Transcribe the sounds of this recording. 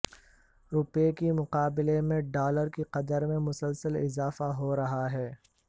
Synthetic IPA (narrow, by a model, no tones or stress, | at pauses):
ɾʊpekimʊqaːbɪlemẽɖaːləɾkiqɐd̪əɾmẽmʊsəlsəlɪ̰zaːfaɦoɾɐɦaɦɛː